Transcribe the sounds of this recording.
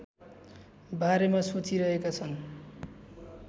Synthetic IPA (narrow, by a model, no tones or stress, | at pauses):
baɾemasot͡siɾʌɦekat͡sʰʌn